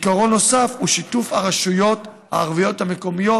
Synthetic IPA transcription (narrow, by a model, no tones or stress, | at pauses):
ikaʁo̞nːo̞safhuʃitufhaʁaʃujo̞t̪ | ha̰ːʁvijo̞t̪hame̞ko̞mijo̞